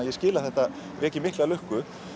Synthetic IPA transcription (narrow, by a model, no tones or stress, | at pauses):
ajɛscɪːlaθɛht̪a | rɛːcɪmɪhklɛalʏhkʏ